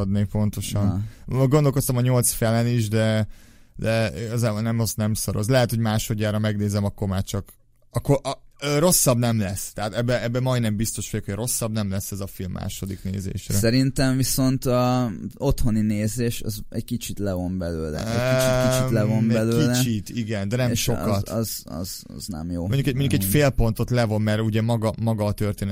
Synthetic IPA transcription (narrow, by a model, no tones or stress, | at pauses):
ɒd̪neːpo̞nt̪o̞ʃɒnoɡond̪olko̞st̪ɒmɒɲo̞lt̪sfɛlɛniʒd̪ɛ | d̪ɛiɡɒzaːbo̞lnɛmɒsnɛmsoɾo̞̰zlɛɦɛt̪hoɟmaːʃo̞ɟːaːɾɒmɛɡneːzɛmɒkːormaːt͡ʃɒk | ɒkːoʔɒøro̞sːɒbnɛmlɛst̪ɛat̪ɛbːɛɛbːɛmɒjd̪nɛmbist̪o̞ʃfojokhoɟro̞sːɒbnɛmlɛsːɛzɒfilmːʔa̰ːʃo̞d̪iknḛːzḛːʃɾsɛsɛɾint̪ɛɱviso̞nt̪ | ot̪ho̞nineːzeːʃɒ̰zɛɟkit͡ʃit̪lɛvo̞mbɛlø̰ːlɛ̰ɛkit͡ʃikit͡ʃilɛvombɛlkøːilɛt͡ʃit̪iɡɛnd̪ɛnɛmʃo̞kɒt̪zɒ̰z̰znɛ̰mjo̰ːoɲɟukɛɟmoɲɟukɛcffeːlpo̞nt̪o̞t̪lɛvo̞nmɛɾuɟɛmɒɡɒmɒɡɒːt̪ø̞rt̪eːn